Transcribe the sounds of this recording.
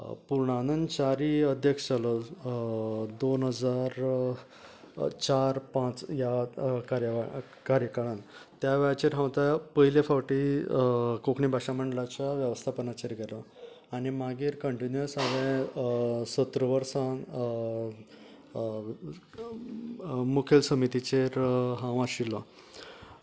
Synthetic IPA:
puɾɳanənt͡ɕaɾiəd̪ʱjəkʂt͡ɕalɔ | d̪onɦəd͡zaɾ | t͡ɕaɾpãt͡sjakaɾjəʋa | kaɾjəkaɭant̪jaʋɛɭat͡ɕeɾɦãwt̪apəɦilefawʈi | kokɳibʱaɕaməɳɖlat͡ɕaʋjəʋəst̪ʰapənat͡ɕeɾɡʱɛlɔ | aɽimaɡiːɾkəɳʈinjuəsaʋẽ | sət̪ɾəʋəɾsãn | mukʰelsəmit̪it͡ɕeɾɦãʋaɕilɔ

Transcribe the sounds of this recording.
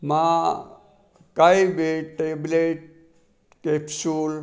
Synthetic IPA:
mã | kaibeʈʈebleʈ̚ | kepʰsuːl

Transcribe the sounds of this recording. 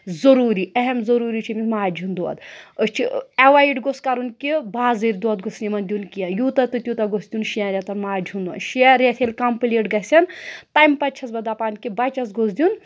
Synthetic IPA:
zɐɾuːɾiɐɦɛmzɐɾuːɾit͡ʃʰimʲimaːd͡ʒʱund̪uɐ̰d̪ət͡ʃʰieʋaiɖɡoskɐɾunkibaːzɨɾʲd̪uɐd̪ɡosnimɐnd̪iunkʲijɐnjuːt̪ɐt̪ɨt̪ʲjut̪ɐɡosd̪ʲunʃiɐɾʲjɐt̪ɐnmaːd͡ʒʱund̪uɐ̰nʃiɾjet̪ʰelʲkɐmpɨleːʈɡɐsʲɐnt̪ɐjmpɐt̪̚t͡ʃʰɐsbɐd̪apaːnkʲibɐt͡ʃɐsɡosd̪ʲjun

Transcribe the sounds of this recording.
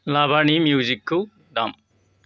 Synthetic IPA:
laːbʱanimjuːd͡ʒikːu | ɖam

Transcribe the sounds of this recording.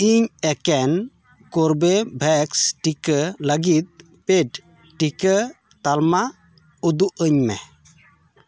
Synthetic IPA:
iɲɛkɛn | kɔɾbebʱɛksʈikələɡit̪̚ | peɖ | ʈikə | t̪alma | ud̪uʔəɲmɛ̰

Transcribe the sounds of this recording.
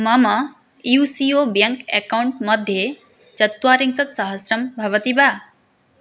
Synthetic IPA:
mama | usiobjɐŋkḛkawuɳʈmɐd̪ʱje | t͡ɕɐt̪waːɾiŋsɐt̪sɐɦəsɾɐmbʱɐʋət̪iba

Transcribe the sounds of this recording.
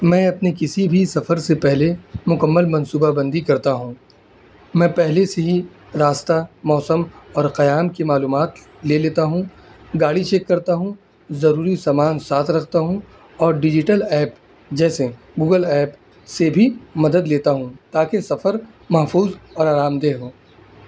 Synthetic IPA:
mɛ̃ːɐpnekɪsibʱisɐfəɾsepɛɦlemʊkəmːəlmɐ̃nsuːbabɐ̃nd̪ikɐɾt̪aɦũː | mɛ̃ːpɛɦleseɦi | ɾaːst̪amɔːsəmɔːɾqɐjaːmkemaːluːmaːt̪ | leːleːt̪aɦũ | ɡaːɽit͡ʃeːkːɐɾt̪aɦũ | zɐɾuːɾisaːmaːnsaːt̪ʰɾɐkʰt̪aɦũ | ɔːɾɖɪd͡ʒɪʈəlɛːp | d͡ʒɛːse | ɡuːɡəlɛːp | sebʱimɐd̪əd̪leːt̪aɦũt̪aːkesɐfəɾ | mɐɦfuːzɔːɾaːɾaːmd̪eːɦoː

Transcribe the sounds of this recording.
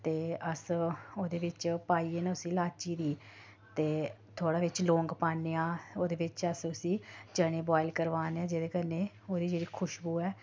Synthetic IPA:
t̪eːəsoːd̪eːʋɪt͡ʃpaːiːeːneːʊsĩːlaːt͡ʃiːd̪iː | t̪eː | t̪ʰoːɽaːʋɪt͡ʃlõːŋɡpaːneːãːoːd̪eːʋɪt͡ʃəsʊsĩːt͡ʃəɽ̃ẽːbɔːɪlkəɾʋaːneːãːd͡ʒeːd̪eːkəɾneː | oːd̪iːd͡ʒeːɽiːkʰʊʃbuːɛː

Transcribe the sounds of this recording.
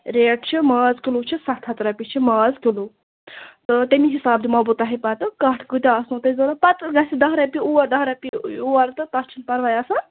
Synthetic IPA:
ɾeːʈt͡ʃʰimaːzkilut͡ʃʰisɐt̪ʰɐt̪ɾɐpit͡ʃʰimaːzkilu | t̪ɨt̪ʲemiɦisaːbd̪imɐbut̪ɐɦipɐt̪ɨkɐʈʰkɨt̪ʲaːsnũt̪ɐzoɾapɐt̪ɡɐsid̪ɐɦɾɐpiuɐd̪ɐɦɾɐpiuɐɾt̪ɨt̪ɐt͡ʃʰinpɐɾʋajaːsaː

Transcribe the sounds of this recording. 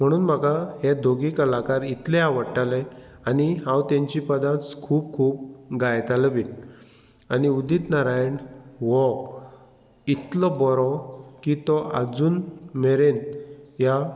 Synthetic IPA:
m̤əɽ̃uːnm̤akaɦed̪ʱoɡikəlakaɾit̪lɛaʋəɽʈalɛ | aniɦãwt̪ãɲt͡ɕipəd̪ãt͡skʰuːp̚kʰuːbɡajt̪aləbiːl | aniud̪it̪naɾajɳʋɔ | it̪lɔbɔɾɔkit̪ɔad͡zuːnmeɾenja

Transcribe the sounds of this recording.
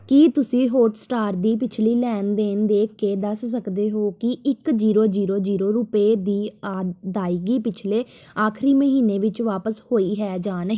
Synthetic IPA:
kiːt̪ʊsĩːɦoːʈsʈaːɾd̪iːpɪt͡ʃʰliːlɛːnd̪end̪eːkːeːd̪əssəkd̪eːɦoːkɪʔɪkd͡ʒiːɾoːd͡ʒiːɾoːd͡ʒiːɾoːɾʊpeːd̪iːaːd̪aːiːɡiːpɪt͡ʃʰleː | aːkʰɾiːməɦiːneːʋɪt͡ʃʋaːpəshoːiːɦɛːd͡ʒaːn

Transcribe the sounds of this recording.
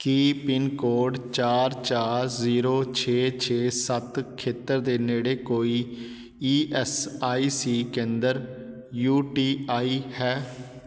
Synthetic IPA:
kiːpɪnkoːɾɖt͡ʃaːɾt͡ʃaːɾziːɾoːt͡ʃʰeːt͡ʃʰeːsət̪kʰeːt̪əɾd̪eːneːɽeːkoːiː | iːʔɛːsaːiːsiːkẽːnd̪əɾ | juːʈiːaːiːhɛː

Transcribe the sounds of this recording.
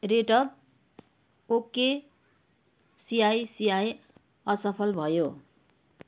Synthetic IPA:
reʈʌb̚ | oke | sijajsijaj | ʌsʌpʰʌlbʱʌjo

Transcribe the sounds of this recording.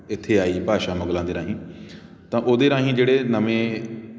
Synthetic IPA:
ɪt̪ʰːeːaːiːbʱaːʃaːməɡlãːnd̪eːɾaːɦĩː | t̪ãːʔoːd̪eːɾãːɦĩːd͡ʒeːɽeːnəmẽː

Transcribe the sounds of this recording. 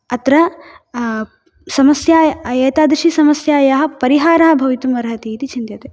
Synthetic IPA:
ɐt̪ɾɐ | sɐmɐsjaːjeːt̪aːd̪ɾiʃisɐmɐsjaːjaɦɐ̆pɐɾiɦaːɾaːɦɐbʱɐʋit̪umɐɾɦɐt̪iːt̪it͡ʃʰint̪jɐt̪eː

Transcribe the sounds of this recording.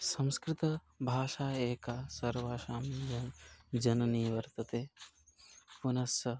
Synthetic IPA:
sɐ̃m̃skɾɪt̪ɐ | bʱaːʃaːeːkaːsɐɾʋaːʃaːmd͡ʒɐnd͡ʒɐnɐniːʋɐɾt̪ɐt̪eː | punɐsɐ

